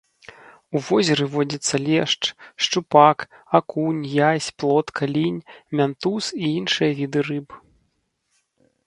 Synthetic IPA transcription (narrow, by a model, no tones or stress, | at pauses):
uvɔzʲɛɾɨvɔd͡zʲit̪sːɐlʲɛʂt͡ʂʂt͡ʂupakakunʲjasʲplˠɔt̪kʰalʲinʲmʲant̪usiinʂɨjɐvʲid̪ɨrɨb